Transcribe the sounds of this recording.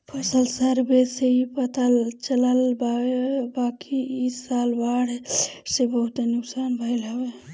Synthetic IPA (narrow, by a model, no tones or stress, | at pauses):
pʰəsəlsəɾbeseipət̪alt͡ʃələlbabakiisalbaɽɦesebəɦut̪nʊksaːnbʱəjlɦəbe